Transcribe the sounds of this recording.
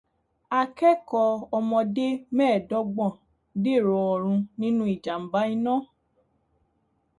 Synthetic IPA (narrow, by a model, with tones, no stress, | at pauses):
a˧kɛ˦kɔ˧ɔ˧mɔ̃˧de˦mɛ̃ː˦˨dɔ˦ɡ͡bɔ̃˦˨ | de˦˨ɾɔ˧ɔ˧˨ɾ̃ũ˧nĩ˦nũ˦i˦˨d͡ʒa˨m̩˨ba˦i˧nã˦˨